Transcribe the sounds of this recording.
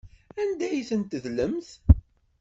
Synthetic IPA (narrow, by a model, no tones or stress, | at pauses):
ænd̪æjθənt̪əðləmθ